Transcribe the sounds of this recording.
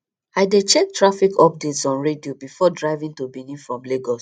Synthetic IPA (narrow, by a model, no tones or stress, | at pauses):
aɪdet͡ʃɛk̚tɹafikʰɔp̚detsɔ̃nɹediobifɔdɹaɪvĩŋtubĩnĩfɹɔ̃mleɡɔs